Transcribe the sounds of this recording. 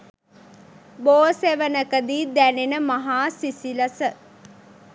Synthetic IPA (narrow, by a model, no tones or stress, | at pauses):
boːseʋənəkəd̪iːd̪ænenəmaɦaːsisiləsə